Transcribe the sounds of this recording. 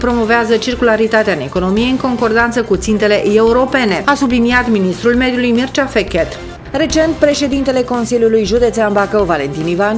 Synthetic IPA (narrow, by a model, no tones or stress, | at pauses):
pɾo̞mo̞veazət͡ʃirkulaɾit̪at̪eaɨneko̞no̞mijeɨŋko̞ŋko̞rd̪ant̪səkut̪sint̪e̞le̞ʔeuɾo̞pe̞ne̞asubliniat̪minist̪ɾulme̞d̪julujmirt͡ʃafekʲet̪ | ɾe̞t͡ʃe̞nt̪̚pɾe̞ʃe̞d̪int̪e̞le̞ko̞nsiljulujʒud̪e̞t̪seanbakəwvale̞nt̪inivan